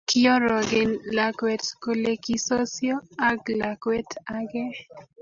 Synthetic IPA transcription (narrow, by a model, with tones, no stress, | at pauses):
kiɔ˦ɾɔ˨ɡɪ˨nla˨kwɛ˨t̪ko˨leki˦so˦sjɔ˦a˦ɡla˨kwɛ˦t̪a˦ɡe˦